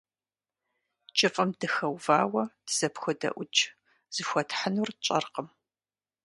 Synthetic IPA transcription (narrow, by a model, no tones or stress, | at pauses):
t͡ʃʼɨfʼɐmdɨxɐwvaːwɐd̥ɨz̥ɐpxʷʊdɐ̰ʔʷʊt͡ʃʼ | z̥ɨxʷɔtħənurt͡ʃʼɐ̰rqəm